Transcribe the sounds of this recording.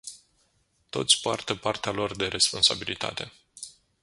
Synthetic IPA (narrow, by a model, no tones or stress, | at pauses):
t̪o̞̰t̪sʲpoart̪əpart̪ealo̞rd̪e̞ɾe̞spo̞nsa̰bilit̪a̰t̪e̞